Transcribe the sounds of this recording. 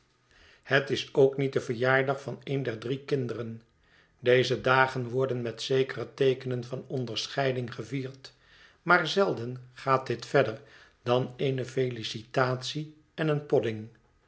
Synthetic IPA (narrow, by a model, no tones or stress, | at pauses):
hətɪsowknit̚dəvəɹjaːɹdɑχfɑnejndɛɹdrikɪndərən | dejzədaːχənʋɔɹdənmɛtsejkərətejkənənvɑnɔndəɹsχɛjdɪŋχəviːɹt | maːɹzɛlˠdənχaːt̚dɪtfɛdəɹ | d̥ɑnejnəfejlisitaːtsi | ɛnənpɔdɪŋ